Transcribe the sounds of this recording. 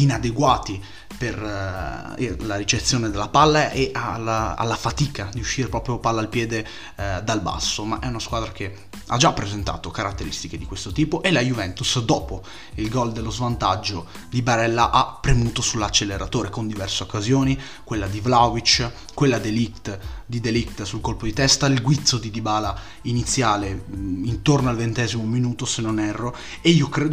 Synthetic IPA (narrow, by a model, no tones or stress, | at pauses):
inad̪eɡwaːt̪i | per | elaɾit͡ʃet̪sːjoːned̪elːapalːaʔeʔalaa̰lːafat̪iːkad̪iuʃːiɾepɾɔːpɾjopalːaːlpjɛːd̪e | d̪alba̰sːomaʔɛunaskwaːd̪ɾake | a̰d͡ʒapːɾezent̪a̰ːt̪okaɾat̪ːeɾist̪iked̪ikwest̪ot̪iːpoʔelajuvɛnt̪usd̪ɔːpo | ilɡɔld̪elːozvant̪ad͡ʒːo | d̪ibaɾɛlːaʔapːɾemuːt̪osulːat͡ʃːelːeɾat̪oːɾekond̪ivɛrseokːazjoːni | kwelːad̪ivlawvit͡ʃ | kwelːad̪elit̪d̪id̪elikt̪sulkolpod̪it̪ɛst̪ailɡwit̪sod̪id̪ibaːla | init̪sːjaːleint̪ornoalvent̪ɛːzimominuːt̪osenːonɛrːo | eiːokɾeːd̪